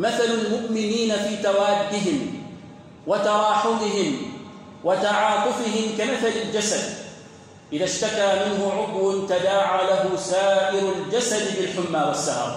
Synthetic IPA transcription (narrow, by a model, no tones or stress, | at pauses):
maθalalmʊʔmɪniːnafiːt̪awaːd̪ːɪɦɪm | wat̪ɑɾˤɑːħʊd̪ˤɨɦɪm | wat̪ɑʕɑːt̪ˤʊfɪɦɪmkamaθalɪld͡ʒasad̪ | ʔɪðaʃt̪akaːmɪnɦʊʕʊd̪ˤwʊnt̪ad̪aːʕalaɦʊsaːʔɪɾald͡ʒasad̪bɪlħʊmːaːwasːahɑ̰ɾˤ